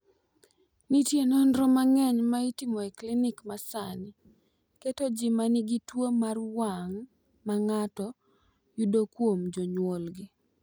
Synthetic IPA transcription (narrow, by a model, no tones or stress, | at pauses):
nitjenɔndɾɔmaŋɛɲmaitimɔeklɪnɪkmasanɪ | ketod͡ʒimanɪɡitwomarwaŋ | maŋatɔ | judokwomd͡ʒoɲwolɡɪ